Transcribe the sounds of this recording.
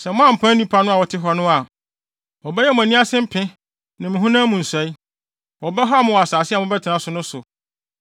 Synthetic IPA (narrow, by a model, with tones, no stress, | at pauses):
sɛ˨mʊ̃˦ã˦m̩˨pʰã˦nĩ˦pʰa˨˦nʊ̃˦a˨wɔ˨tʰɪ˦ɦɔ˨nʊ̃˦a˨ | wɔ˨bɛ˦jɛ˦mʊ̃˨æ˨nĩ˦a˦sɪ̃˦m̩˦pʰɪ̃˦ | nã˨mɪ̃˨ɦũ˦nãː˦mũ˨n̩˨sæ˨i˦ | wɔ˨bɛ˦ɦɔ˦a˦˨mʊ̃˨a˨saː˨sɪ˦a˨mʊ̃˦bɛ˦tʰɪ˨nã˨sʊ˨nʊ̃˦sʊ˨